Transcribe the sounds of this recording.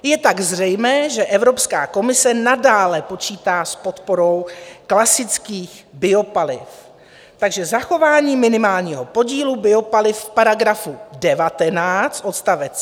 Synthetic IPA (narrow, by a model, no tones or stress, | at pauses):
jɛt̪aɡzrɛjmɛːʒɛʔɛvɾo̞pskaːko̞mɪsɛnadaːlɛpo̞t͡ʃiːt̪aːspo̞t̪po̞ɾo̞wklasɪt͡skiːx | bɪo̞palɪ̰f | t̪aɡʒɛzaxo̞vaːɲiːmɪnɪmaːlɲiːɦopo̞ɟiːlubɪo̞palɪfpaɾaɡɾafudɛvat̪ɛnaːt͡st̪ʔo̞t̪st̪avɛt͡s